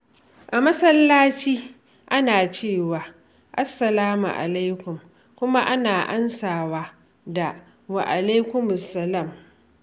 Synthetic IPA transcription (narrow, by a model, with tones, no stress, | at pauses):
ʔa˨mɐ˦sɐ˦lːaː˦t͡ʃiː˦ | ʔa˦naː˨t͡ʃeː˦˨waː˨ | ʔa˦sːɐ˨laː˦mṵ˨ʔa̰˨la˦jkʷʊ˨m | kʷʊ˦ma˦ʔa˦naː˨ʔa̰˦nsaː˨waː˦ | da˨ | wa˨ʔa˨le˦kʷʊ˦mʊ˨sːɐ˦la˦˨m